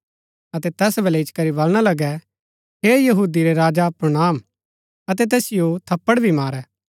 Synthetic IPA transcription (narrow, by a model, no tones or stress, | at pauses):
ɐt̪ɛt̪ɛːsbʱɐlɛɪt͡ʃkɐɾibɐlɽ̃alɐɡɛ | ɦeːjɐɦuːd̪iɾeɾaːd͡ʒapɾonaːm | ɐt̪̬ɛt̪̬ɛːsɪjot̪ʰɐpːəɽbʱimaːɾɛː